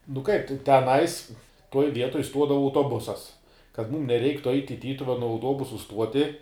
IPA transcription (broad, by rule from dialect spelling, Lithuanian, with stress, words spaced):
nʊ kɐɪp tʲɛ tʲɛˈnɐɪs tuɔj ˈʋʲiɛtoːj ˈstuɔdɐʋɐ ɐʊtoːˈbʊsɐs kɐt ˈmuːm nʲɛˈrʲɛɪktʊ ɐɪtʲ ɪ ˈtʲiːtʊʋʲɛnʊ ɐʊˈtuɔbʊsʊ ˈstuɔtʲɪ